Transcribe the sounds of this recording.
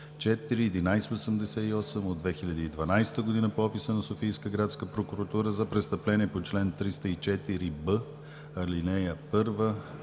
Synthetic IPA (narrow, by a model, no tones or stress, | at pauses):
t͡ʃɛt̪iɾiɛd̪inajst̪osəmd̪ɛsɛiɔsɛmod̪vɛxilʲɐd̪iːd̪vɐnajst̪əɡod̪inəpoɔpisənɐsofijskəɡɾat̪skəpɾokuɾɐt̪uɾəzɐpɾɛst̪əplɛniɛpot͡ʃlɛnt̪ɾist̪əit͡ʃɛt̪iɾibə | ɐlinɛjəpɤɾvə